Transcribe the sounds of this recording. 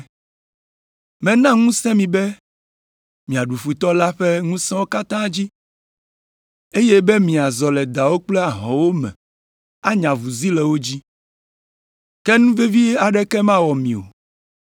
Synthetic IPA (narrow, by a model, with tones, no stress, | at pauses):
mɛ̃˨nã˦ŋũ˦sɛ̃˦mĩ˨bɛ˦ | mĩ˨a˨ɖu˨ɸu˨t̪ɔ˦la˦ɸe˦ŋũ˦sɛ̃˦wo˦ka˦t̪ã˦d͡ʑi˦ | e˦je˦be˦mĩ˨a˨zɔ˨lɛ˨d̪a˨wo˦k͡plɛ˦a˨ɦɔ̃˨wo˦mɛ̰̃˨ | a˦ɲã˨vu˨zi˦lɛ˨wo˦d͡ʑi˦ | kɛ˦nũ˦ve˦vi˦a˨ɖɛ˦kɛ˦mã˦wɔ˨mĩ˨o̰˨